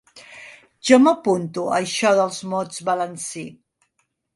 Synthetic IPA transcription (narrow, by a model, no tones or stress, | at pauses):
ʒɔməpunt̪uəʃɔðəlˠzmɔd͡zβələnsi